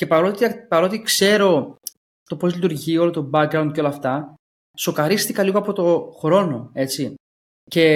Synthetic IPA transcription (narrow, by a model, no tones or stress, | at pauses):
ce̞pɐɾot̪iɐpɐɾo̞t̪ikse̞ɾo̞ | t̪o̞po̞zlit̪uɾʝio̞lot̪o̞bɐkɾɐwnd̪̚ceo̞lɐːft̪ɐ | so̞kɐɾist̪ikɐliɣoɐpo̞t̪o̞xɾo̞no̞e̞t͡si | ce̞